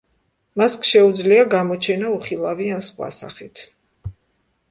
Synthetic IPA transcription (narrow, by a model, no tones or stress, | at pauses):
maskʰʃɛud̪zliaɡamɔt͡ʃʰɛnauχilˠaviansχwa̰sa̰χit̪ʰ